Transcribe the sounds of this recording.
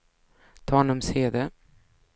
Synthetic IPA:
t̪ʰɑːnʊmseːd̪ə

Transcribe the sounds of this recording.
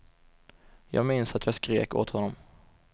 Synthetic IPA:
jɑ̰ːɡmɪnsat̪jɑːɡskɾeːko̰ːt̪hɔnːɔm

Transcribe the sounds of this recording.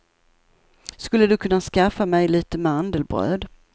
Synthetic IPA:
skɵlːəd̪ɵkʰɵnːaskafːamɛjliːt̪əmɛand̪əlbɾø̰ːd̪

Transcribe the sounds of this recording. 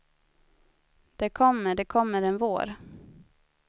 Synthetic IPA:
d̪̥ɛkʰɔmːəɖɛkʰɔmːəɾɛnvo̰ːɾ

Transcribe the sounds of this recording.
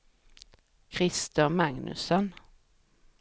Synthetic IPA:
kʰɾɪst̪əmaŋnɵ̰sɔn

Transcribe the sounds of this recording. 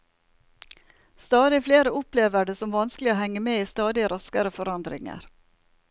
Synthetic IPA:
st̪ɑːd̪ɪfleːɾəʊpleːʋəɖeːsɔmʋɑnsklɪoːhɛŋːəmeːiːst̪ɑːd̪ɪɾɑskəɾəfɔɾɑnd̪ɾɪ̰ŋə̰ɾ

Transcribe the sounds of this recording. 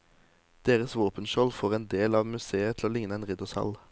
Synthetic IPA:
d̪̥eːʁəsʋoːpənʃɔlfoːʁeːnd̪eːlɑːʋmʉseːət̪ʰloːlɪŋnəeːnʁɪd̪ʊshɑ̰l

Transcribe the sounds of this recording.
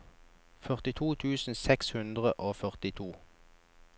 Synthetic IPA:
fœʁt̪ɪt̪ʰuːt̪ʰʉːsn̩sɛkshʉnd̪ʁəʔoːfœʁt̪ɪt̪ʰuː

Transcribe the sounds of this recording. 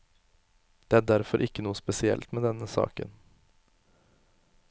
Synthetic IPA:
d̪̥eːæːɖæɾfɔɾʔɪkːənuːəspɛsɪɛ̰lt̪meːd̪ɛnəsɑ̰ːkə̰n

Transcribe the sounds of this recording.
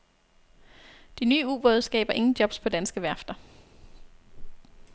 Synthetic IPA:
d̥inyːṵːb̥o̽ðˠsɡ̥ɛ̰ːb̥ɐʔe̝ŋn̩d̥jɒ̽b̥spʰɒ̽d̥ænsɡ̥əʋæɐ̰fd̥ɐ

